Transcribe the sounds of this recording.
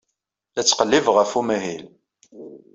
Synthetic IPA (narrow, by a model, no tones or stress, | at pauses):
æt͡sːqəlːivʁəfumæɦil